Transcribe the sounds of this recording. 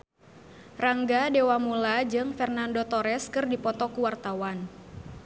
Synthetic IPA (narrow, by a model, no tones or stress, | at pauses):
raŋɡadewamulad͡ʒɨŋfɛrnandot̪ɔɾɛskɨrdipɔt̪ɔkuwart̪awan